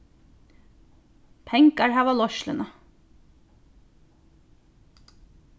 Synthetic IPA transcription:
pʰɛŋkaɹhæːʋɑlɔʃlənɑ

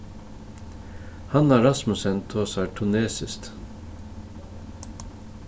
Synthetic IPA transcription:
hɑnæːɾɑsmʉsɛnt̪ʰoːsæːʈʰʉneːsɪst̪

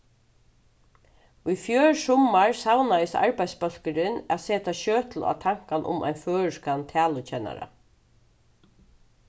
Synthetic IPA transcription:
ʊjfjøːɻsɔmaɹsawnajɪsa̰ɹpajt̪spœl̥kɪɾɪnaseːt̪aʃøːt̪l̩a̰t̪ʰaŋ̥kanʔʊ̰mʔa̰jnføːɻəʂkant̪ʰæːlʊt͡ɕʰɛna̰ɾa̰

